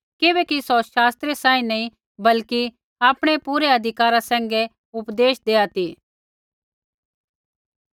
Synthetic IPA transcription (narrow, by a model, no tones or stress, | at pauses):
kɪbɛkisɔʃaːst̪ɾesaːĩnɐĩ | bɐlki | aːpɽ̃epuːɾeɐd̪ʱɪkaːɾasɛ̃ːŋɡɛ | ʊpd̪eːʃd̪eːat̪iː